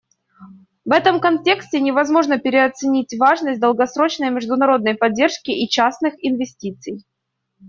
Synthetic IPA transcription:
vɛt̪əmkɐnʲtʲe̞ksʲtʲɪnʲɪvɐzmo̞ʐnəpʲɪɾʲɪɐt̪sɨnʲitʲvaʐnəsʲt̚ʲd̪əlˠɡɐsɾo̞t͡ɕnəjmʲɪʐd̪ʊnɐɾo̞d̪nəjpɐdʲːe̞rʂkʲɪʔit͡ɕasnɨxɪnvʲɪsʲtʲit̪sɨj

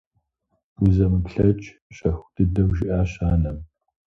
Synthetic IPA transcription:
uzɐmɨpɬɐt͡ʃʼ | ɕʼɐxʷd̥ɨdɐwʒɪʔaːɕaːnɐm

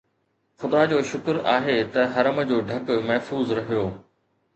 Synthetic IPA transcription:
xʊd̪ad͡ʑoːʃʊkɾa̰ːɦet̪ɐɦɐɾəmə̆d͡ʑoːɖʱɐkmɐɦfuːzɾɐɦijoː

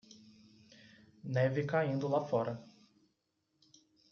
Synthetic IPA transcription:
nɛvɪkaĩnd̪ʊlafɔɾɐ

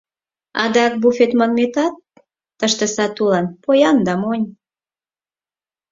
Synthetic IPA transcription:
ɑd̪ɑk̚bufet̪mɑnmet̪ɑt̪ː | əʃt̪ə̆sɑt̪ulɑnpojɑnd̪ɑmonʲ

